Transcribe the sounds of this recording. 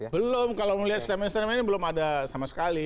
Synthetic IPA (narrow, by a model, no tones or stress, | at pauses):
bəlʊmkalowməliɦat̪̚st̪ɛmɛnst̪əɾmɛnibəlʊmadasamasə̥kali